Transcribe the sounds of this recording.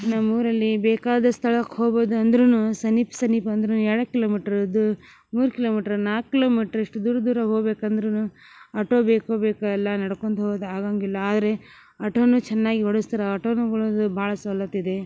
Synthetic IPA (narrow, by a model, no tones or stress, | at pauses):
nɐmuːɾɐlːibeːkaːd̪ɐst̪ʰɐɭɐkhoːboːd̪uɐnd̪ɐɾunusɐnipsɐnipɐɐnd̪ɐɾunuɛɽɐkiloːmiːʈɐɾɐd̪u | muːɾukiloːmiːʈɐɾnaːkkːilo̞ːmiːʈɐɾiʂʈud̪uːɾɐd̪uːɾɐɦoːɡbeːkɐnd̪ɐɾunu | ɐʈoːbeːkhoːbeːkaɐlːɐnɐɽɐkoɳd̪uɦoːd̪aːɡaːŋɡilːɐaːd̪ɐɾe̞ | ɐʈoːnut͡ʃɛnːaːɡiɦoɽust̪iɾɐɐʈoːnuɡɐɭod̪ubʱaːɭɐsɐlːɐt̪ːid̪e̞